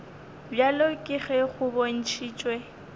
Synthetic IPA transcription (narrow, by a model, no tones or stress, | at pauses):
bjalokʼɪɣɛɣʊbon̩t͡ʃʰiːt͡ʃʼwɛ